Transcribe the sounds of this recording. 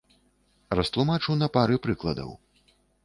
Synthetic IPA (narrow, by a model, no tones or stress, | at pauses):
rɐst̪lˠumat͡ʂɨwnɐpaɾɨpɾɨklˠɐd̪ɐ̰w